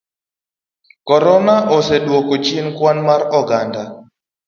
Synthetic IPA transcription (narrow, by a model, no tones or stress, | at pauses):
kɔɾɔnaʔɔsɛɗwokot͡ʃinkwanmaɾɔɡanda